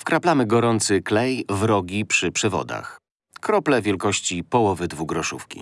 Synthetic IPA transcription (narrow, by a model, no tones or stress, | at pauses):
fkɾaplamɘɡɔɾɔnt̪sɘklɛjvɾɔɡʲipʂɘpʂɛvɔ̰d̪a̰x | kɾɔplɛvʲjɛlkɔɕt͡ɕipɔwɔvɘd̪vuɡɾɔʂufkʲḭ